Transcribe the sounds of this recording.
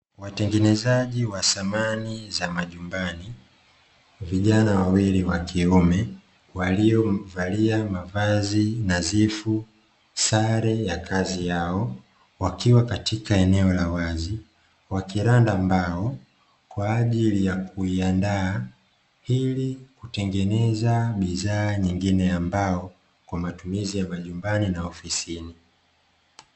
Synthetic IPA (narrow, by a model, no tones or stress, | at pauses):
watɛŋɡɛnɛzaʄiwasamanizamaʄumbani | viʄanawawiliwakʰiumɛ | waliɔvaliamavazinazifu | saɾɛjakʰazijaɔ | wakiwakatikaɛnɛɔlawazi | wakiɾandaːmbaɔ | kwaːʄilijakuiandaː | hilikutɛŋɡɛnɛzaɓiðaːɲiŋɡinɛambaɔ | kwamatumizijamaʄumbaninaɔfisini